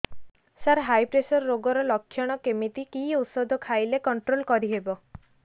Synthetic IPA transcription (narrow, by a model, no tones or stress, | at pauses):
saɾɦajpɾesɔɾːoɡɔɾɔlɔkʰːjɔɽ̃ɔkemit̪ikiut̪sɔd̪ʱɔkʰajlekɔɳʈɾolkɔɾiɦebɔ